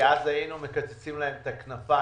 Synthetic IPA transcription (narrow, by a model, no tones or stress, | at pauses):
azhajinume̞kat͡set͡simlaɦemet̪aknafa